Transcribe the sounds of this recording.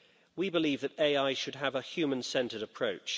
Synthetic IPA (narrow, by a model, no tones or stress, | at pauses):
wibɪliːvðəteɪaɪʃəd̥̚əvəhj̥ʉːmə̃nsɛ̃ntədəpʰɹ̥əʊt͡ʃ